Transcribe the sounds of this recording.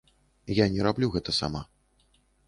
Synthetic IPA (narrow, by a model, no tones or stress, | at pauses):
janʲɛɾablʲuɣɛt̪ɐsa̰ma